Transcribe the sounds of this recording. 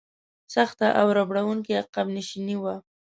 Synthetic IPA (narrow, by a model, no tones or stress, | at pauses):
saxt̪aʔawɾabɽawuŋkiaqabniʃiniwa